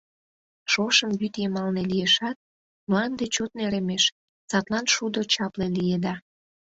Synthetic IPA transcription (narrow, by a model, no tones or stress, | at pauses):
ʃoʃəmβyt̪jemɑlnelijeʃɑt̪̚ | mlɑnd̪et͡ɕot̪neɾemeʃ | sɑt̪lɑnʃud̪ot͡ɕɑplelijed̪ɑ